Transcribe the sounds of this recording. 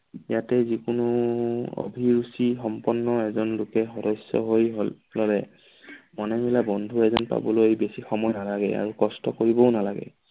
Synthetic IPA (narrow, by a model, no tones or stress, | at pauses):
jatɛzikʊnʊo̰bʱiɹusixɔmpɔnːɔɛzɔnlʊkɛxɔdɔjsjɔ̰ɦojɦ | lɔlɛ | mɔnɛmilabɔndʱuɛzɔnpa̰bɔloejbesixɔmɔjnalaɡɛ̰a̰ɹukɔstɔkoɹibɔʊnalaɡɛ̰